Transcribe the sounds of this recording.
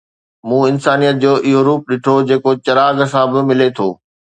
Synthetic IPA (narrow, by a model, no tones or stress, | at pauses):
mũːɪnsaːnijət̪̚d͡ʑoːʔɪɦoɾuːp̚ɗɪʈʰod͡ʑeːkot͡ɕɐɾaːɡsãbɪmɪlet̪ʰo̰ː